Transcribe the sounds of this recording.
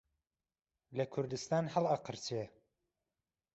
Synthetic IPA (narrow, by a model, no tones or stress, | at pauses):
lɐkʰʊɾd̪ɨst̪aːnhəlˠɑqɨɾt͡ʃʰe